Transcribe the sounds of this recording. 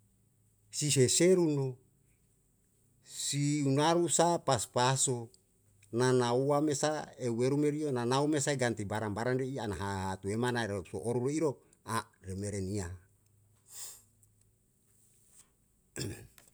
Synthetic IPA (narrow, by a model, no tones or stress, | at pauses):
siseseɾuno | siunaɾusapaspaso | nanauamesaeweɾumeɾionanaumesaeɡant̪ibaɾambaɾanreianaɦaɦat̪uemanaeɾeso̰ʔoɾuɾeiɾo | aremeɾenia